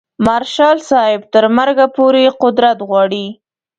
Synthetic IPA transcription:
maɾʃɑlsɑhɪb̚t̪əɾmaɾɡapoɾeqʊd̪ɾat̪ɣwɑɽi

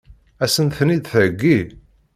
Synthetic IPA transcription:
æsənθnid̪θəɡːi

